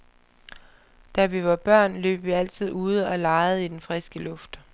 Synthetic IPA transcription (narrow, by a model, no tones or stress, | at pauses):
d̥æʋiʋɑ̈b̥ɶɐ̰nlø̰ːb̥ʋiæl̰t͡sʰið̞̰ˠuːð̞ˠəɒ̽lɑ̈ɪð̞̩ˠid̥enfʁɛsɡ̥əlɔ̽fd̥